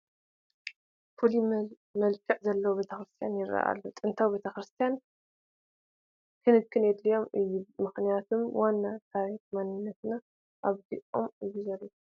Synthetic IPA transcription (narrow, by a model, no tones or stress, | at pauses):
fuli | mɐlkʰɐʕzɐlːɐwube̞t̪ʰɐxɾɨst̪ʰijanjɪra̰ʔa̰lːot̪ʼɨnt̪ʰawibe̞t̪ʰɐxɾɨst̪ʰijan | kʰɨnɨd̚kʰɨned̪lijo̞mɨjːumɨxnijat̪ʰumwanːat̪ʰaɾitmanɨnːɐt̪na | ʔaβd̪iʔo̞̰mɨjːuzɐlːo